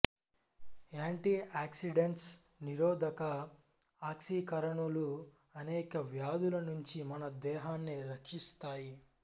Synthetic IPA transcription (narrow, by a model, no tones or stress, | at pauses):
aːɳʈiaːksiɖeɳʈs | niɾɔːd̪ʱɐkɐ | aːkʂikɐɾɐɳulu | ɐnɛːkɐʋjaːd̪ulɐnuɲt͡ʃimɐnɐd̪ɛːɦaːnːiɾɐkʂist̪aːji